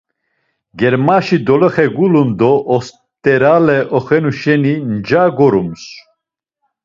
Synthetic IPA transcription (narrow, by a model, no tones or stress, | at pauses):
ɡɛɾmaʃid̪ɔlɔχɛɡulund̪ɔʔːs | t̪ʼɛɾalɛʔɔχɛnuʃɛnind͡ʒaɡɔɾums